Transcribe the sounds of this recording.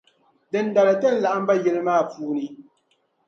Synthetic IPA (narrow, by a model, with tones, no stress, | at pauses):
dɨ˨n̩˦da˨la˨tɛ˦n̩˦la˨ʔa˦m̩˦ba˦jɛ˦˨lɨ˦maː˦˨puː˦ni˨